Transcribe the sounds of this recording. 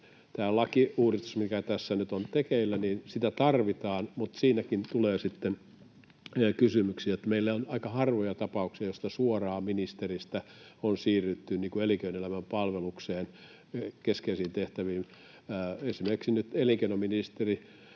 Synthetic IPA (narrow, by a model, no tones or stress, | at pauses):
t̪æːlɑkiuːrist̪u̥smikæt̪æsːænyt̪ont̪ekeilːæniːnsit̪æt̪ɑrʋit̪ɑːnmut̪siːnækint̪uleːsit̪ːen | kysymyksiːjet̪ːæmeilːæonɑikɑhɑrʋojɑt̪ɑpɑuksiɑjost̪ɑsuorɑːminist̪erist̪æonsiːryt̪ːynniːkueliŋkøinelæmæmpɑlʋelukseːn | keskeisiːnt̪eht̪æʋiːnː | esimerkiksinyt̪eliŋkenominist̪eri